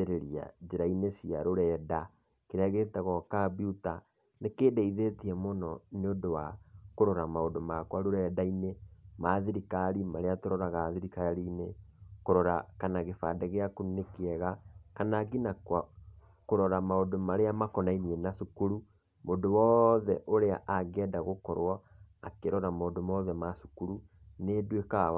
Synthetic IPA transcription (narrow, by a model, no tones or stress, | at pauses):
eɾeɾia̰d͡ʒeɾainesiaɾoɾɛda | keɾaɣetɛɣɔkabiuta | nekeːdeiðetiɛmonɔneodowakoɾɔɾamaodomakwaɾoɾɛdainemaðiɾikaɾimaɾeatoɾɔɾaɣaːðiɾikaɾiːnekoɾɔɾakanaɣefa̰dɛɣeakonekeɛɣakanaɡinakwa | koɾɔɾamaodomaɾeamakɔnainiɛnasukuɾu | moːndowɔðɛʔoɾea̰ʔaɡɛdaɣokɔɾwɔ | akeɾɔɾamoːndomɔðɛmaʃu̥kuɾu | nedweka